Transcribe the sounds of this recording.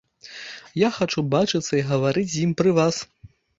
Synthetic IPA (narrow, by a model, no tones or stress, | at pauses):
jaxat͡ʂubat͡ʂɨt̪sːɐiɣɐvaɾɨt͡sʲjimpɾɨvas